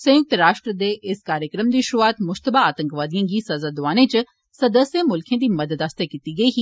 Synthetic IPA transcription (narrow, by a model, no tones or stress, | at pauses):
sə̃jʊk̚t̪ɾaːʃʈɾəd̪eʔɪskaːɾjəkɾəmd̪iːʃɾuaːt̪mʊd͡ʒt̪əbaːaːt̪ə̃ŋkʋaːd̪ijãːɡisɐzaːd̪ʊʋaːnẽt͡ʃ | sɐd̪əsjəmʊlkʰẽːd̪iːmɐd̪əd̪aːst̪akiːt̪iɡɐiːɦiː